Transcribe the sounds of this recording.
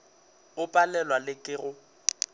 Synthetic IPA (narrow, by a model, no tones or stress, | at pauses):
ʊpʼalɛlwalɪkʼɪrʊ